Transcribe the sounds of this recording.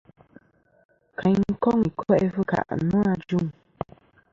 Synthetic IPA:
kʰa˨ŋ˦kɔ˦ŋi˨kɔ˦ɛ˦fɨ˦ka̰˨ʔnu˦a˦d͡ʒu˦ŋ

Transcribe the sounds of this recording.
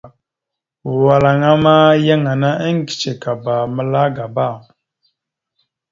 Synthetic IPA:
wa˨la˨ŋa˦ma˦ja˦ŋa˨na˦ʔə˦ŋ˦ki̥˨t͡ʃe˨ka˨ba˨mə˦la˦ɡa˨ba˦˨

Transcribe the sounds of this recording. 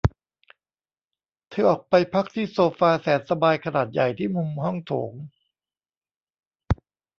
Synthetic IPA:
t̪ʰɯː˨˦ʔɔː˨˩k̚pa˧jpʰa˦˥k̚t̪ʰiː˥˩soː˧faː˧sɛː˩˦˥n̚sa˧baː˧jkʰa˧naː˨˩t̪̚ja˨˩jt̪ʰiː˥˩mu˧mhɔ˥˩ŋt̪ʰoː˩˦ŋ

